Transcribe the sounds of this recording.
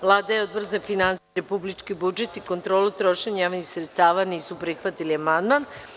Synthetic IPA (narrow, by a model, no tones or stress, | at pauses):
ʋlˠaːd̪ajeo̞d̪boɾzafinansepublit͡ʃkibud͡ʒe̞t̪iko̞nt̪ɾo̞ːlˠut̪ɾo̞ʃeɲajaʋnixsɾet̪st̪aːʋaniːsupɾixʋat̪iliamand̪man